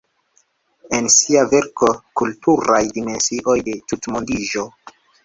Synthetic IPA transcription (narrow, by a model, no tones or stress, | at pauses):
e̞nsiave̞ɾko̞kultuɾajdime̞nsiʔo̞jde̞tutmondiʒo̞